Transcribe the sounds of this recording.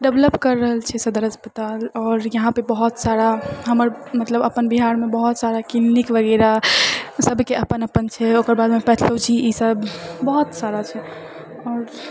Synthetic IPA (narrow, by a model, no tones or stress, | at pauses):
ɖebləpkəɾːəɦəlt͡ʃʰɛsəd̪əɾɦəspət̪alɔːɾjəɦãpebəɦut̪saɾaɦəməɾmət̪ləbəpənbiɦaɾmebəɦut̪saɾakilnikʋəɡɛɾasəbʱkeʔəpənəpənt͡ʃʰɛokəɾbad̪mepɛt̪ʰlət͡ʃʰiisəbbəɦut̪saɾat͡ʃʰɛ | ɔːɾ